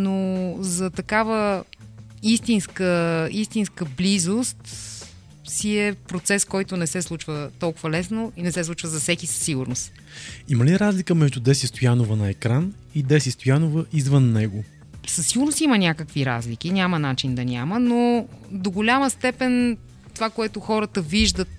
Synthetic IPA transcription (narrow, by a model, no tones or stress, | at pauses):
nozɐt̪ɐkavə | ist̪inskəist̪inskəblizost̪ | siɛpɾot̪sɛskɔjt̪ʊnɛsɛslˠut͡ʃvət̪ɔlˠkʊvəlɛsnoinɛsɛslˠut͡ʃvəzɐfsɛkisə̥sːiɡʊɾnos | iməliɾazlikəmɛʒd̪ud̪ɛsist̪ʊjanovənɐɛkɾan | id̪ɛsist̪ʊjanovəʔizvənːɛɡo | sɐsːiɡʊɾnosimənʲakəkviɾa̰zlik̟inʲamənat͡ʃind̪ɐnʲa̰mənod̪oɡʊlʲaməst̪ɛpɛn | t̪ovakoɛt̪ʊxɔɾət̪əviʒd̪ət̪